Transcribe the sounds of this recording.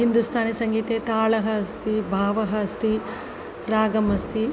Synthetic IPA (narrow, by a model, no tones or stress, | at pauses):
ɦind̪ust̪ʰaːnesɐŋɡiːt̪eːt̪aːɭɐɦɐɐst̪ʰibʱaːʋɐɦɐɐst̪i | ɾaːɡɐmɐst̪ʰi